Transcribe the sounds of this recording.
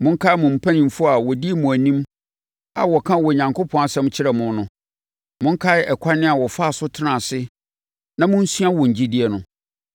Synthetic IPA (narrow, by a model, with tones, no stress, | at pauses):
mʊ̃˦ŋ̩˦kʰa˦mʊ̃˨m̩˨pʰæ˦nĩ˨m̩˨fʊ˦a˨wɔ˨di˦e˦˨mʊ̃˨æ˨nĩ˦m | a̰˨wɔ˨kʰã˦wɔ˨ɲã˨ŋkʰʊ˦pʰɔ̃˦na˨sɛ̃˦m˦t͡ɕʰɪ˦ɾɛ˨mʊ̃˦n˦nʊ̃˨ | mʊ̃˦ŋ̩˦kʰa˦ɛ˨kʰa˦nɪ̃˦a˨wɔ˨fa˦˨sʊ˦tʰɪ˦nã˨sɪ˦ | nã˨mʊ̃˦n̩˦sɥa˦wɔ̃˨ɲ̩˨d͡ʑi˦di˦ɛ˨nʊ̃˨